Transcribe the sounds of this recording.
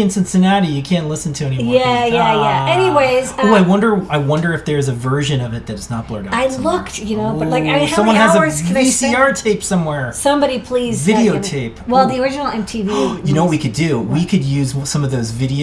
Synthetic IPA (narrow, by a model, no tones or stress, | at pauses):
ɨ̃nsɨ̃nsɨnɑɾijɨkʰæ̃nʔˡlɪsn̩tʰɨɛnimæjæjæɛniweɪzoaɪwʌ̃ndə˞aɪwʌ̃ndə˞ɨfðə˞ɨzɨvɜ˞ʒɨ̃nʌvɨt̪̚ðɨɾɨsnət̚b̥lɛ̰˞d̰aɪllʊktjɨnoʊbʌlaɪkaʌ̃mwʌ̃nɨzɨ̥isiɑɹtʰeɪpsʌ̃mwɛɹsʌ̃mbɑɾipʰl̥izvɪɾioʊtʰeɪpwɛlˠðiə˞ɪd͡ʒɨnl̩ˠɛ̃mtʰivijɨnoʊwt̚wikʰɨdʉwikʰɨd̚jʉzsʌ̃mʌvðoʊzvɪɾi